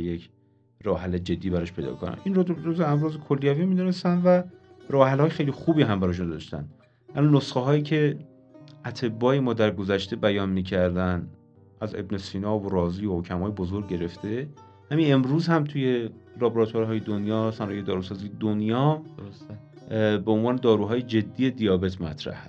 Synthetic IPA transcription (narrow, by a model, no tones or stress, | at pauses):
jec | ɾɒːɦæled͡ʒe̞d̪ːiːbæɾɔːʃpʰe̞jd̪ɒ̰kʰonæ̰mʔinroozeæmɾɒːzekʰolːijæviːmiːd̪une̞st̪ænd̪væ | ɾɒːɦælhɒːjexe̞jlixuːbiːɦæmbæɾɒːʃ̬und̪ɒ̰ʃt̪æ̰n | ʔælunosχeɦɒːjiːcʰe̞ | ʔæt̪ʰe̞bːɒːje̞mɒːd̪æɾɡo̞zæʃt̪e̞bæjɒːnmiːcʰæɾd̪æn | ʔæze̞̰bnesiːnɒːvoɾɒːziːohocʰæmhɒːjebozoɾɡɟe̞ɾe̞ft̪ʰe̞ | hæmine̞mɾuːzhæmt̪ʰuje̞ɾɑboɾɒt̪ʰoɾɦɒːjed̪onjɒːsænɒːjejd̪ɒːɾuːsɒːziːjed̪onjɒːs | beonvɒːne̞d̪ɒːɾuːɦɒːje̞d͡ʒe̞d̪ːiːje̞d̪ijɒːbe̞t̪ʰmæ̰t̪ʰɾæ̰hæ̰s